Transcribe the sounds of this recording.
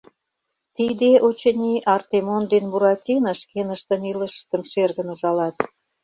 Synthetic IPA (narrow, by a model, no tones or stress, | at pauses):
t̪id̪eʔot͡ɕə̆nʲiʔɑrt̪emond̪enmuɾɑtʲinə̆ʃkenə̆ʃt̪ə̆nilə̆ʃt̪ə̆mʃerɣə̆nuʒɑlɑt̪